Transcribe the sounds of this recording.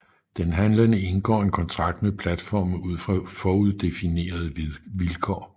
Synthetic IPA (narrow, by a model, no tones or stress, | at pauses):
d̥enɦænlənəe̝nɡ̥ɒ̰ːe̝nkʰɒ̽nt͡sʰʁɑ̈ɡ̥̚d̥mepʰlæd̥fɒ̰ːm̩uð̞̰ˠfʁɑ̈fɒːuð̞ˠd̥e̝fine̝̰ːɐð̞ˠʋilkʰɒ̰ː